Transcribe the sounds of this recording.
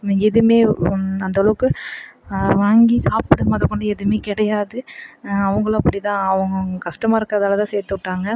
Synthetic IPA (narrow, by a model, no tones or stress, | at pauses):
niŋɡɐɛðɯmeːɐnd̪ɐlɐʋɯkːɯ | ʋaːŋɡisaːpɯɽɯmaːðɯkːɔɳɖɯɛðɯmeːkɪɽɐjaːðɯɐʋɐŋɡɐɭ̃ɐpːɐɽit̪ãːɐʋɐŋɡɐɡɐkɐsʂʈɐmaːɪɾɯkːɐðaːlɐt̪ãːseːɾt̪ːɯʈːaːŋɡɐ